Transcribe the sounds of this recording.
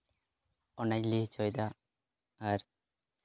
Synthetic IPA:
ɔnad͡ʒliht͡ʃɔjd̪aː | ɾ

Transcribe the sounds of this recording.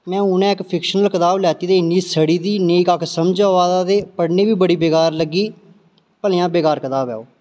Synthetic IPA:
mɛ̃ːʊːnɛ̃ːɪkpʰɪkʃənəlkət̪aːblɛːt̪iːd̪eːɪnːiːsəɽiːd̪iːneːkəkʰsəmd͡ʒaːʋaːd̪aːd̪eːpəɽneːʋiːbəɽiːbeːkaːɾləɡiː | pəlɪjãːbeːkaːɾkət̪aːbɛ̰ːoː

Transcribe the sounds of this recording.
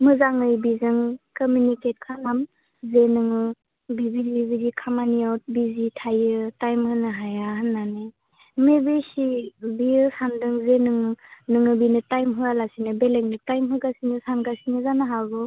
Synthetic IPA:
mɯzaŋɯjbizɯŋkɔmjuniket̚kʰanam | zenɯŋɯ | bibilibidikʰamaniawt̚bizitʰajɯtajmhɯnɯɦajaɦɯnːane | mebesibiɯsandɯŋzenɯŋɯnɯŋɯbinɯtajmɦɯalasinɯbeleŋnɯtajmɦɯɡasinɯsanɡasinɯzanaɦaɡɯ

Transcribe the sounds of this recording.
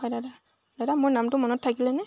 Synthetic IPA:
ɔjdada | dadamʊɹnamtʊmɔnɔtʰːakilɛnɛ

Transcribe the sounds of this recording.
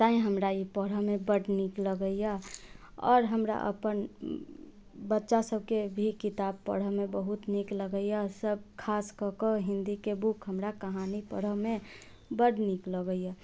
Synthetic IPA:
t̪aĩɦəmɾaipəɽ̤əɦmẽbəɽnikləɡəija | ɔ̰ːɾɦəmɾa̰ʔə̰pən | bətːʃasəb̚ʱkebʱikɪt̪ab̚pə̰ɽ̤əɦmẽbəɦut̪nikləɡəjasəb̚kʰaːskəkəɦɪ̃nd̪ikebukʰɦəmɾakəɦanipə̰ɽəɦmẽ | bəɽnikləɡəja

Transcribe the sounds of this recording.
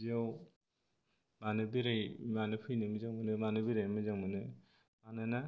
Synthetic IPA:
ziaw | manɯbiɾajmanɯpʰɯjnɯmɯzaŋmɯnɯmanɯbiɾajmɯzaŋmɯnɯ | manɯna

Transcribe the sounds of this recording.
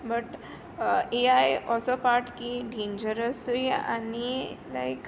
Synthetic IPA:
bəʈ | eajɔsɔpaɾʈkiɖʱind͡ʑəɾəsuja̰nilajk

